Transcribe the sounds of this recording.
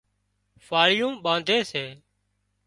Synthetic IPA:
faːɽɪjũːɓãːnd̪ʱeːseː

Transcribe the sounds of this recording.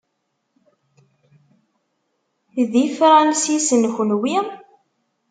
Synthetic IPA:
ðifɾˤɑnsisənçənwi

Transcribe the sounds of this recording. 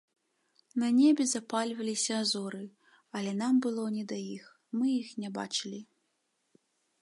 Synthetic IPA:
nɐnʲebʲɛzapalʲvɐlʲisʲɐːzɔɾɨ | ɐlʲɛnambɨlˠɔnʲɛd̪ajix | mɨjixnʲɛba̰t͡ʂɨlʲi

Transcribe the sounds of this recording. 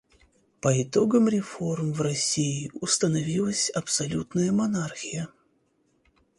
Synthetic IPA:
pəɪt̪o̞ɡəmɾʲɪfo̞rmvrɐsʲiɪʊst̪ənɐvʲilˠəsʲɐpsɐlʲut̪nəjəmɐnarxʲɪjə

